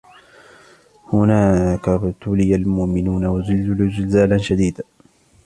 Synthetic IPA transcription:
hʊnaːkabt̪ʊlɪjalmʊʔmɪnuːnawazʊlːlʊd͡ʒɪlzaːlanʃad̪iːd̪a

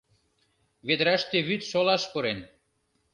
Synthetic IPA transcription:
βed̪ɾæʃt̪eβyt̪ʃolɑʃpoɾen

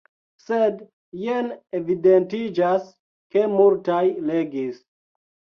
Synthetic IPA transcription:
sed | jenevidentid͡ʒas | kemultajleɡis

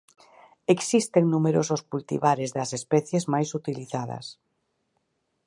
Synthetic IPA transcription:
eksist̪eŋnumeɾososkult̪ḭβaɾezðɐsespɛθjezmajsut̪iliθaðɐ̰s

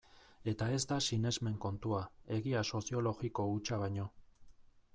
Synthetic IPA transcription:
e̞t̪ae̞zd̪asine̞zme̞ŋko̞nt̪uae̞ɣiaso̞sio̞lo̞ɣiko̞ut͡ʃaβajɲo̞

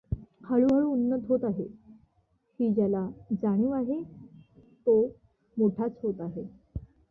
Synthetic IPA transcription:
kʰaɭuəɭuːnːət̪ɦot̪aɦe | hiːd͡ʑjalad͡zaɽ̃uːaɦe | t̪o | moʈʰat͡sɦot̪aɦe

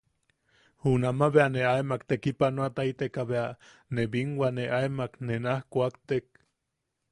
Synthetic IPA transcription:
hunamaβeaneaemakt̪ekipanoat̪ait̪ekaβea | neβiŋwaneʔaemaknenahkʷakt̪ek

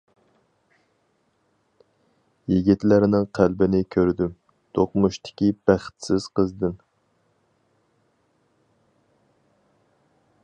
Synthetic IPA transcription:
jiɡʲit̪læɾnɪŋqʰælbɪnɪkʲʰøɾd̪ym | t̪ʰoqmuʃt̪ʰɪ̥kʲib̥æχt̪sɪz̥qəzd̪ɨn

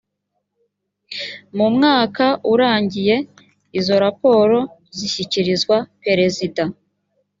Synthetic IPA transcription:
mumŋaːkaʔuɾaːɲɟije̞ | izo̞ɾapo̞ːɾo̞ | ziçiciɾizɡwape̞ɾe̞zida

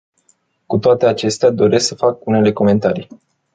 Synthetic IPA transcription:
kut̪oat̪e̞at͡ʃe̞st̪ead̪o̞ɾe̞sksəfakune̞le̞ko̞me̞nt̪aɾij

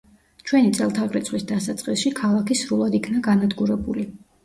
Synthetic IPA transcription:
t͡ʃʰwɛnit̪sʼɛlˠt̪ʰaʁɾit̪sʰχwisd̪asat̪sʼqʼisʃikʰalˠakʰisɾulˠad̪ikʰnaɡanad̪ɡuɾɛbuli

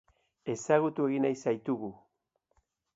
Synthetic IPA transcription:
e̞saɣut̪ue̞ɣinajsajt̪uɣu

